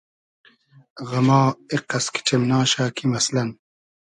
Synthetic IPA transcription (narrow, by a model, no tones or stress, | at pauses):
ɣɐmaːeqɐski̥ʈ͡ʂʰemnaːɕaːkʰimɐslɐn